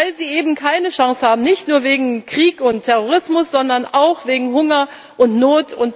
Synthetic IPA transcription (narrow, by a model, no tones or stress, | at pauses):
aɪlziːʔeːbm̩kʰaɪnəʃaŋshaːbm̩nɪçtnuːɐveːɡŋ̩kʁ̥iːkʊntʰːɛʁoʁ̞ɪsmʊsz̥ɔndɐnʔaʊxv̥eːɡŋ̩ɦʊŋɐ | ʔʊntnoːtʰʊnt